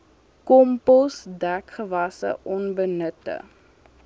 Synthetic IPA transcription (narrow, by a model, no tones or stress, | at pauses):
kɔmpɔsdækχəvɐsə̰ʔɔnbənətə̰